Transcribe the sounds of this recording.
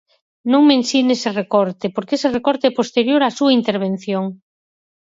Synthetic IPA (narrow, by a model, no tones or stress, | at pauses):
nõŋmensineserekɔɾt̪epoɾkeserekɔɾt̪epost̪eɾjoɾasuaint̪eɾβ̞en̟θjoŋ